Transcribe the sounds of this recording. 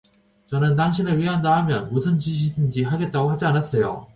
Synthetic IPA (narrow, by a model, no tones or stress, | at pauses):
t͡ɕʌnɯnt̬aŋɕʰinɯɭɥiɦandaɦamjʌnmusʰɯnt͡ɕiɕ̬ʰidɯnd͡ʑiɦaɡe̞t̚t͈aɡohad͡ʑianas͈ʌjo̰